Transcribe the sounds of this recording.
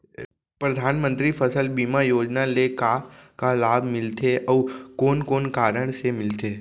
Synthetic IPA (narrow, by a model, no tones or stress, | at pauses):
pɾəd̪ʱanmənt̪ɾifʰəsəlbimajod͡ʒnalekakalabʱmɪlt̪ʰeʔəʋkonkonkaɾəɳ̃ʃemɪlt̪ʰe